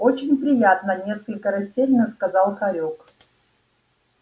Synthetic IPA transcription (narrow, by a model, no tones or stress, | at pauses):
ot͡ɕɪnʲpɾʲɪjat̪nənʲe̞skəlʲkəɾɐsʲtʲelʲnəskɐzɑlˠxɐɾʲok